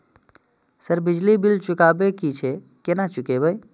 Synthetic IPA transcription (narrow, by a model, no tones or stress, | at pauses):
səɾbid͡ʒlibilt͡ʃukabekit͡ʃʰe | kenat͡ʃukebəj